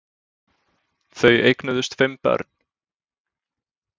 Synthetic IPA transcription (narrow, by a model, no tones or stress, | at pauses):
θœɥejknʏðʏst̪fɪmpɛ̰ɾt̪nn̥